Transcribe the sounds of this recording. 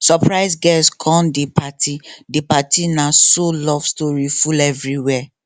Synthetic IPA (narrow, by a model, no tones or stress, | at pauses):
sɔpɹaɪsɡɛskʰɔ̃ndepʰatʰidepatinãsolɔvstɔɹifulɛvɹiwɛ